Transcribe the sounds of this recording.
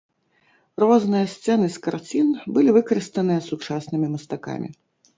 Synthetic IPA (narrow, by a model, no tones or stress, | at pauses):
rɔznɨjɐsʲt̪sɛnɨskart͡sʲinbɨlʲivɨkɐɾɨst̪ɐnɨjɐsut͡ʂasnɨmʲimɐst̪aka̰mʲḭ